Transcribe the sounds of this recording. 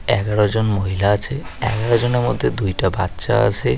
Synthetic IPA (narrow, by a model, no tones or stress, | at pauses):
ɛɡaɽod͡ʑonmoɦilaat͡ɕʰeɛ̰ɡaɽod͡ʑoneɾmɔ̰d̪ʱːed̪ujʈaba̰t̪ːʃa̰a̰t͡ʃʰe